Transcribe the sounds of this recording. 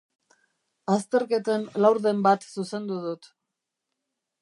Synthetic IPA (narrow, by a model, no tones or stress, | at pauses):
ast̪e̞ɾke̞t̪enlawɾðe̞mbat̪suse̞nd̪uðut̪